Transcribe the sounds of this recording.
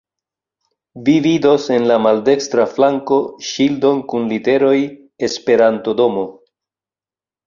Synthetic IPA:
vivido̞se̞nlamalde̞kstɾaflaŋko̞ʃildo̞nkunlite̞ɾo̞j | e̞spe̞ɾanto̞do̞mo̞

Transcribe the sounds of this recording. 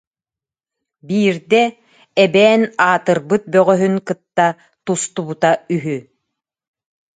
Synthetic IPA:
biːɾd̪ɛ | ɛbɛːnaːt̪ɯɾbɯt̪̚bœʁœɦynkɯt̪ːa | t̪ust̪ubut̪ayɦy

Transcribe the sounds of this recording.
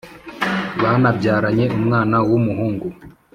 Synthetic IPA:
βanabɟaːɾaɲe̞ʔumŋaːnawumuɦuːŋɡu

